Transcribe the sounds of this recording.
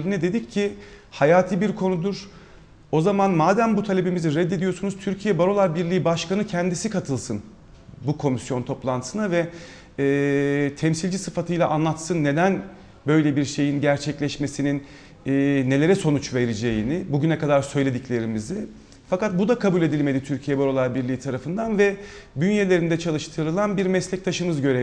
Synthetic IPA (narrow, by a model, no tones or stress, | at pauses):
lʲinɛd̪e̞d̪icːʰi | hajaːt̪ʰiːbiɾkʰo̞nud̪uɾ̥ | o̞zamanmaːd̪æmbut̪ʰalʲe̞bimiziɾɛd̪ːed̪ijo̞sunuz̥t̪ʰyɾcʰijɛbaɾo̞lˠaɾbiɾlʲijibaʃkanɯcʰɛnd̪isikʰat̪ʰɯlˠsɯn | bukʰo̞misjo̞nt̪ʰo̞plˠant̪ɯ̥sɯnavɛ | ɛːt̪ʰɛmsilʲd͡ʒisɯfat̪ʰɯjlˠaʔanlˠat̪sɯnːe̞d̪æn | bø̞jlʲebiɾʃe̞jinɟæɾt͡ʃʰɛclʲɛʃmesininː | nːe̞lʲe̞ɾɛso̞nut͡ʃve̞ɾid͡ʒe̞jinɪbuɟynɛkad̪aɾsø̞jlʲe̞d̪iclʲe̞ɾimizɪ | fakat̪̚bud̪akʰabulʲe̞d̪ilʲme̞d̪it̪ʰyɾcʰijɛbaɾo̞lˠabiɾlʲiːit̪ʰaɾafɯnd̪anvɛ | bynjelʲe̞ɾind̪ɛt͡ʃʰalˠɯʃt̪ʰɯɾɯlˠanbiɾmɛslʲɛc̚t̪ʰaʃɯmɯzɟø̞ɾe